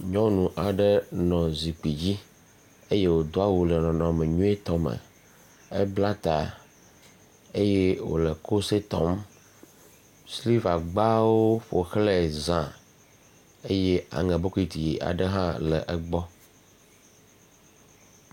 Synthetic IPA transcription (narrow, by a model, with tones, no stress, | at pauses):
ɲɔ̃˦nũ˨ʔa˨ɖə˦nɔ̃˨zi˨k͡pi˨d͡ʑi˦ | e˦je˦wo˨d̪o˦a˦wu˨lɛ˨nɔ̃˨nɔ̃˨mɛ̃˨ɲũ˦e˦t̪ɔ˦mɛ̰˨ | ɛ˦bla˦t̪a˨ | e˦je˦wo̰˨lɛ˨ko˦se˦t̪ɔ̰˦m | sli˦va˨ɡ͡ba˦wo˦ɸo˨xlɛ˦zã˨ | e˦je˦a̰˨ŋɛ̃˨bo˦ku˦i˨t̪i˨ji˨ʔa̰˨ɖə˦ɦã˦lɛ˨ʔɛ˨ɡ͡bɔ˦